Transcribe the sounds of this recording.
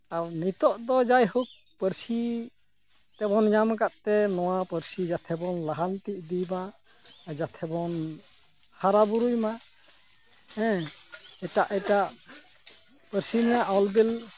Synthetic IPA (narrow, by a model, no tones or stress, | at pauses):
aɾnit̪ɔʔd̪ɔd͡ʒajɦuk̚ | pəɾsi | t̪ɛbɔnɲamkaʔ̪̚t̪ɛnɔwapəɾsid͡ʒat̪ʰɛbɔnlaɦalt̪iʔ̚d̪ima | d͡ʒat̪ʰɛbɔn | haɾabuɾujma | ɛ̃ | ɛʈaʔɛʈaʔ | pəɾsinijaʔɔlbɛl